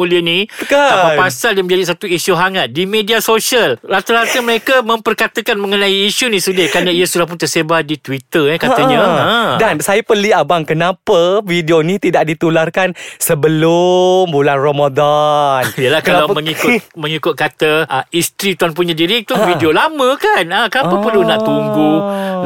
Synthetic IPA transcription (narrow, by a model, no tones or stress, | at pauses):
muliənikapasaldamə̃ɲd͡ʒadiʔsat̪uiʃuɦaŋat̪̚dimediasoʃiəlɾat̪əɾat̪əməɾekamə̃mpərkat̪əkanmə̃ŋənãiːʃunĩsudɪkanaiəsudahp̬ʊnt̪ərsebadit̪wit̪ərjakat̪aɲãədansajapəliabaŋkənãpəvidionĩt̪idaʔdit̪ularkansəbəlʊmbulanromadanijəlahkalaməŋikʊmə̃ŋikʊt̪̚kat̪əʔəist̪ɾit̪uanp̬uɲadiɾit̪uvidiolamə̃kanəkənapəpərlunaʔt̪umbu